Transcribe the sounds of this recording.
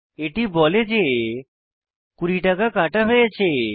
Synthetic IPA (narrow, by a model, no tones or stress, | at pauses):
eʈibɔled͡ʒe | kuɾiʈakakaʈaɦoet͡ʃʰe